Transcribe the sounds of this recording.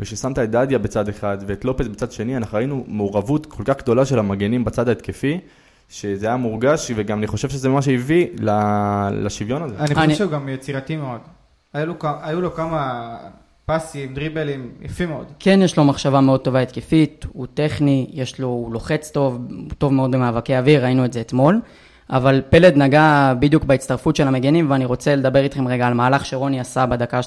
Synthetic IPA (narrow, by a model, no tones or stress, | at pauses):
veʃesamt̪aedad̪jabet͡sad̪eχad̪veːt̪lo̞petbet͡sad̪ʃe̞nianaχnuʁainumeuʁavut̪kʰolkaχɡd̪o̞laʃe̞lamaɡenimbat͡sad̪aet̪kefi | ʃe̞zeajamuʁɡaʃveɡamaniχo̞ʃe̞vʃezemaʃ̬eivilalaʃivjo̞nazeaniniʃejuɡamjet͡siʁat̪imeo̞d̪ | ajulokaajulokama | pasimd̪ʁibelimjafimeod̪ke̞njeʃlo̞maχʃavame̞o̞d̚t̪o̞vaet̪kefit̪ut̪e̞χnijeʃlo̞lo̞χe̞t͡st̪o̞vt̪o̞vmeo̞d̪be̞maːvakeaviʁːainueze̞ːt̪mo̞l | ʔavalpe̞led̪naɡabid̪jukbeitt͡staʁfut̪ʃe̞lameɡenimveaniʁo̞t͡se̞led̪abe̞ʁit̪χe̞mʁeɡaːlmaːlaχʃeʁo̞niasabad̪aka